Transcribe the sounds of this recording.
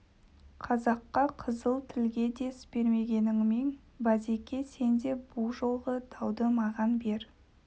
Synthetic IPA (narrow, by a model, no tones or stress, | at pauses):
qʰɑzɑqːɑqʰəzəlˠt̪ʰɪlɡʲe̞d̪e̞spe̞ɾme̞ɡʲe̞nɪŋmeŋ | bɑzekʲe̞se̞nd̪e̞bulˠʒo̞lˠʁəd̪̥ʰɑwd̪əmɑʁɑnbe̞ɾ